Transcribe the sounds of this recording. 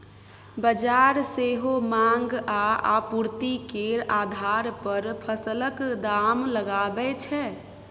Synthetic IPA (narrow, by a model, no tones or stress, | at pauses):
bəd͡ʒaɾseɦomaŋɡaapuɾt̪ikeɾad̪ʱaɾpəɾpʰəsələkd̪amləɡabɛt͡ʃʰɛ